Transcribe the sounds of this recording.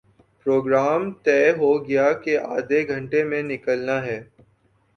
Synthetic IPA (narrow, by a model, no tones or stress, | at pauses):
pɾoːɡɾaːmt̪ɛːɦoɡɐjakeʔaːd̪eɡʱɐ̃ɳʈemẽnɪkəlnaɦɛː